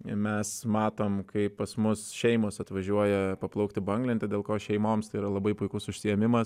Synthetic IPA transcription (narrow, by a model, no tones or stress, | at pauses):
mʲɛsmɑːt̪oːmkɐɪppɐsmʊsʃʲɛɪmoːsɐt̪ʋɐʒʲuɔjɛpɐplˠɐʊkt̪ʲɪbɐŋɡlʲɪnt̪ʲɛd̪ʲeːlˠkoːʃʲɛɪmoːmst̪ɐɪiːɾɐlˠɐbɐɪpʊɪkʊsʊʃʲsʲɪjɛmʲɪmɐs